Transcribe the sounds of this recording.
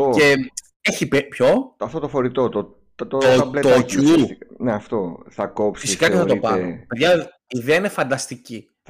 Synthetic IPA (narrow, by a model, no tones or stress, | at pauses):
oce | eçipepço̞ɐft̪ot̪ofoɾit̪ot̪o | t̪t̪oolet̪ouneɐft̪oθɐkopsfissi̥kɐceθɐt̪opɐpeðʝɐː | ðeɐinefɐnd̪ɐst̪ici